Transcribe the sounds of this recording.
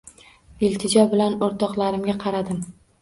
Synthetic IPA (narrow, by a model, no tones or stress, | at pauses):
ɪlt̪ʰɪd͡ʒɒbɪlanoɾt̪ʰɒqlˠaɾɪmɡʲaqʰɑɾad̪ɪm